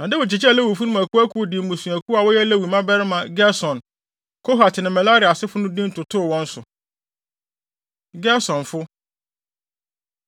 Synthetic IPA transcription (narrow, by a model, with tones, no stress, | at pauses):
nã˨dɪ˦wʊ˨t͡ɕʰi˨t͡ɕlɛ˦wu˨fu˦nʊ̃˦mæ˨ku˦æ˦kʰu˦˨dɪ˨mũ˨sũ˨æ˨kʰu˦a˨wɔ˦jɛ˦lɛ˦wi˨mã˦bɛ˦ɾɪ˦mã˨ɡɛ˦sɔ̃˨n | kʰɔ˦ɦa˨tʰɪ˨nɪ̃˨mɛ˨la˦ɾi˨a˨sɪ˦fʊ˦nʊ̃˦dĩ˦n̩˦tʊ˨tʰʊ˦˨wɔ̃˦n̩˦sʊ˨ | ɡɛ˦sɔ̃˨nfʊ˦